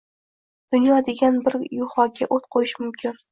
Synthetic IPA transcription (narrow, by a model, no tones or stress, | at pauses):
d̪̥ʊnjɒd̪e̞ɡʲanbɪɾjʊhɒɡʲaʔot̪qʰojɪʃmʊmkʲʰɪn